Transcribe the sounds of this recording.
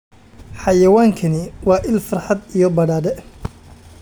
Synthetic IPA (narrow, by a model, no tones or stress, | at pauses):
ħɑjɐwaːŋkʰɐnɪwɑːʔɪlfɑrħɑd̪ijɞbɐɽaːdɛ